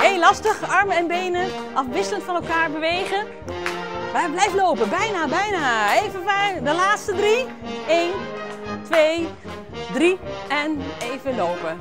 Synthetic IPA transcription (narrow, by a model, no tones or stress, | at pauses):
ejlɑstəχɑɹməɛnbejnə | ʔɑfʋɪsləntfɑnɛlˠkaːɹbəʋejɣən | ʋɛjblɛjvəlowpənbɛjnabɛjnaejvənvadəlaːtstədri | ejntʋej | driɛnejvənlowpə